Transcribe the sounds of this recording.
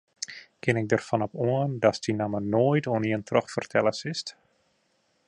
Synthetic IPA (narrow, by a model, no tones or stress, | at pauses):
kɪnɪk̚dərfɔnɔpuəndɔsdinamənoːjtoəniəntrɔxfərtʰɛləsɪst